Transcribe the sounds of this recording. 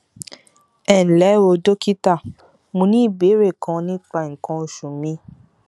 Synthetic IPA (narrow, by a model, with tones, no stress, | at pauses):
ɛ˨n̩˨lɛ˨˦wo˧do˦ki˦ta˦˨ | mũ˧˦nĩ˦i˦˨be˨˦ɾe˦˨kã˧nĩ˦k͡pa˧˨ŋ̩˨kã˧o˧˨ʃũ˨mĩ˧˦